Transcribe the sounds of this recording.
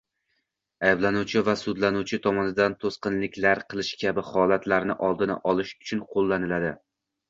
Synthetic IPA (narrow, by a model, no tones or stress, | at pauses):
ajblanut͡ʃʰɪvasʊd̪lanuwt͡ʃʰɪt̪ʰɒmɒnɪd̪ant̪ʰosqɨnlɪkʲlaɾqʰɨlˠɪʃkʲʰabɪhɒlˠat̪ʰlaɾnɪ̰ʔɒlˠd̪ɪna̰ʔɒlˠɪʃʊ̥t͡ʃʰʊnqʰolˠːanɪlad̪ɪ